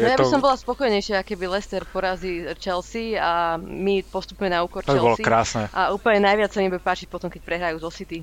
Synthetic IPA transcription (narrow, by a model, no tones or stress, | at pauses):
jabissɔmbɔlaspɔkɔjɲɛjʃɪaakɛbilɛst̪ɛɾpɔɾazit͡ʃɛlsiamipɔst̪upɲɛnauːkɔɾt͡ʃ̪biɛlbɔlɔsikɾaːsnɛʔauːpl̩ɲɛnajʋɪat͡ssaɲimbɛpaːt͡ʃic̚pɔt̪ɔmkɛc̚pɾɛɦɾajuːzɔsit̪i